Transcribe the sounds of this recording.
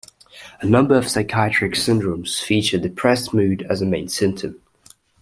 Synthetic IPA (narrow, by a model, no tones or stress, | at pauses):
ənʌ̃mbəɹəv̥saɪkʰaɪət͡ʃɹ̥ɪksɪ̃ndɹə̃mz̥fiˑt͡ʃəðəpʰɹ̥ɛsmʉːdəzəmẽɪ̃nsɪ̃mp̚tʰə̃m